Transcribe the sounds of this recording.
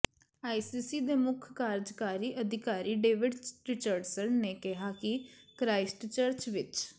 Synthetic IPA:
aːisiːsiːd̪eːmʊkʰkaːɾd͡ʒkaːɾiːʔəd̪ɪkaːɾiːɖeːʋɪɖɾɪt͡ʃəɾɖsənneːkɪɦaːkɪkɾaːɪsʈt͡ʃəɾt͡ʃʋɪt͡ʃ

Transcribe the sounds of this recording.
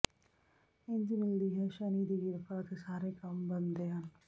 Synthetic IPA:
ɪnd͡ʒmɪld̪iːɦɛːʃaniːd̪iːɡɪɾfaːt̪esaːɾeːkɐmbənd̪eːɦɐn

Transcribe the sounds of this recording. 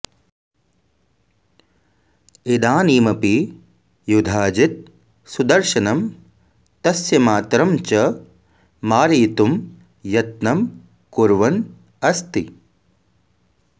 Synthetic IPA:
id̪aːniːmɐpi | jud̪ʱaːd͡ʒit̪̚ | sud̪ɐɾʃɐnɐm | t̪ɐsjɐmaːt̪ɾɐmt͡ʃɐ | maːɾiːt̪um | jɐt̪̚nɐm | kuɾʋɐn | ɐst̪i

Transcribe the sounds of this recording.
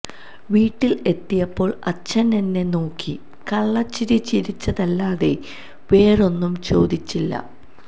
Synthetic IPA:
ʋiːʈːile̞t̪ːijɐpːo̞ːɭɐt͡ɕːɐnenːe̞no̞ːkʰːi | kɐɭːɐt͡ɕːiɾit͡ɕiɾit͡ɕːɐðɐlːaːðe̞ | ʋe̞ːro̞nːumt͡ɕo̞ːd̪it͡ɕːilːɐ̰

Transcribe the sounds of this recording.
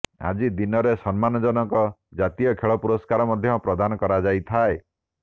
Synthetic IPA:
a̰d͡ʒid̪inɔɾesɔnmanɔd͡ʒɔnɔkɔd͡ʒat̪ijɔkʰeɭɔpuɾɔskaɾɔmɔd̪ʱjɔpɾɔd̪anɔkɔɾad͡ʒajt̪ʰae

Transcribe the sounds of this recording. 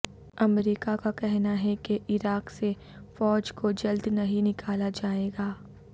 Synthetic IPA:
ɐmɾiːkakakɛɦnaɦɛkeʔɪɾaːkse | fɔːd͡ʒkod͡ʒɐld̪nɐɦĩnɪkʰaːlad͡ʒaːeːɡaː

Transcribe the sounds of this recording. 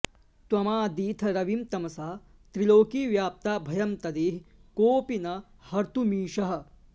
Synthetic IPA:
t̪wɐmaːd̪iːt̪ʰɐɾɐʋimt̪ɐmɐsaːt̪ɾiloːkiːʋjaːp̚t̪aːbʱɐjɐmt̪ɐd̪eːɦkoːpinɐ | hɐɾt̪umiːʃɐɦɐ̆

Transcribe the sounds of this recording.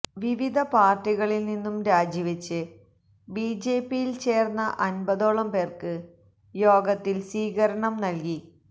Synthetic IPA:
ʋiʋid̪ʱɐpaːrʈiɣɐɭilninːumɾaːd͡ʑiʋet͡ɕːɨ | biːd͡ʑe̞ːpːijilt͡ɕe̞ːrnːɐʔɐnbɐðo̞ːɭɐmpe̞ːrkɨ | jo̞ːɡɐt̪ːilsiːɣɐɾɐɳɐmnɐlki

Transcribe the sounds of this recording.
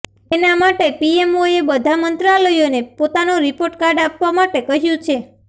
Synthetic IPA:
enamaʈepiemoebəd̪ʱamənt̪ɾaləjonepot̪anoɾipoɾʈkaɾɖapʋamaʈekəɦjũt͡ʃʰe

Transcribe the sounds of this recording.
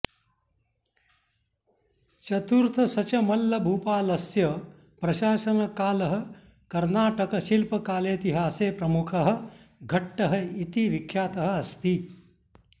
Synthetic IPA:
t͡ʃɐt̪uɾt̪ʰɐsɐt͡ʃɐmɐlːɐbʱuːpaːlɐsjɐ | pɾɐʃaːʃɐnɐkaːlɐɦɐ̆ | kɐɾnaːʈɐkɐʃilpɐkaːleːt̪iɦaːseːpɾɐmukʰɐɦɐ̆ | ɡʱɐʈːɐɦɐit̪iʋikʰːjaːt̪ɐɦɐ̆ɐst̪i

